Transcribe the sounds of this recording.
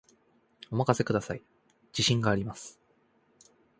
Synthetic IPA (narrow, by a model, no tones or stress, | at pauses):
o̞makase̞kɯ̟d̪asai | d͡ʑiɕĩŋɡaːɾʲimasɨ̥